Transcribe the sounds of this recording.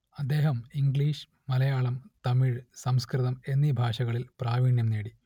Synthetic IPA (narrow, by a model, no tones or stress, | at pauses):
ɐd̪ːe̞ːɦɐmiŋɡɭiːʂɨ̥ | mɐlɐjaːɭɐmt̪ɐmiɻsɐmskrɨðɐme̞nːibʱaːʂɐɣɐɭilpraːʋiːɳjɐmneːɽi